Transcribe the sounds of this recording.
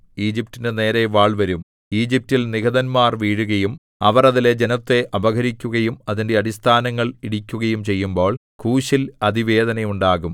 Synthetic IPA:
iːd͡ʑip̚tinɨne̞ːɾe̞ʋaːɭʋɐɾum | iːd͡ʑip̚tilniɡɐðɐnmaːrʋiːɻuɣɐjum | ɐ̰ʋɐrɐðiled͡ʑe̞nɐt̪ːe̞ʔɐbɐɣɐɾikʲːuɣɐjumɐðinde̞ɐdist̪ʰaːnɐŋːɐɭiɽikʲːuɣɐjumt͡ɕe̞jːumbo̞ːɭ | kʰuːɕilɐd̪ʱiʋe̞ːd̪ɐnɐjuɳɖaːɣum

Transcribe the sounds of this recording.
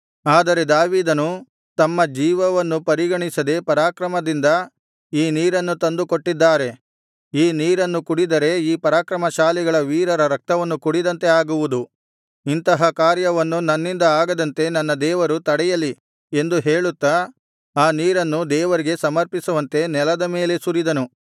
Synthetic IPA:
aːd̪ɐɾe̞d̪aːʋiːd̪ɐnu | t̪ɐmːɐd͡ʒiːʋɐʋɐnːupɐɾiɡɐɳisɐd̪e̞pɐɾaːkɾɐmɐd̪ind̪ɐ | iːniːɾɐnːut̪ɐnd̪ukoʈːid̪ːaːɾe̞ | iːniːɾɐnːukuɽid̪ɐɾe̞iːpɐɾaːkɾɐmɐʃaːliɡɐɭɐʋiːɾɐɾɐɾɐk̚t̪ɐʋɐnːukuɽid̪ɐnt̪e̞aːɡuʋud̪u | int̪ɐɦɐkaːɾjɐʋɐnːunɐnːind̪ɐaːɡɐd̪ɐnt̪e̞nɐnːɐd̪ɛːʋɐɾut̪ɐɽɛjɐlːi | e̞nd̪uɦeːɭut̪ːɐ | aːniːɾɐnːud̪ɛːʋɐɾiɡe̞sɐmɐɾpisuʋɐnt̪e̞nɛlɐd̪ɐme̞ːle̞suɾid̪ɐnu

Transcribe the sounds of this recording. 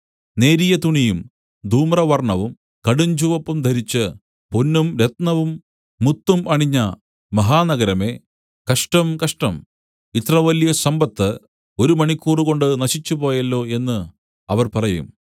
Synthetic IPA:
ne̞ːɾijɐt̪uɳijum | d̪ʱuːmrɐʋɐrɳɐʋum | kɐɽuɲd͡ʑuʋɐpːumd̪ʱɐɾit͡ɕːɨ | punːumɾe̞t̪nɐʋumː | ut̪ːumɐɳiɲːɐ | mɐɦaːnɐɡɐɾɐme̞ː | kɐʂʈɐmkɐʂʈɐm | it̪rɐʋɐljɐsɐmbɐt̪ːɨ | o̞ɾumɐɳikʲːuːruɣo̞ɳɖɨnɐɕit͡ɕːupo̞ːjɐlːo̞ːe̞nːɨ | ɐʋɐrpɐrɐjṵm

